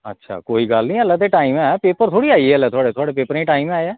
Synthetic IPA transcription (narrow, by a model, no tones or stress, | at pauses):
ə̰tːʃʰa̰ːkoːiːɡəlnĩːəlːət̪eːʈaːimɛːpeːpəɾt̪ʰoːɽiːaːiəlɛːt̪ʰoaːɽeːt̪ʰoaːɽeːpeːpəɾẽːʈaːiːmaːeɛː